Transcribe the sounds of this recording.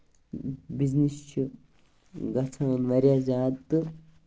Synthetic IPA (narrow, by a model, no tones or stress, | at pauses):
biznist͡ʃʰi | ɡɐt͡sʰaɐnʋɐɾjaːzaːt̪ːɨ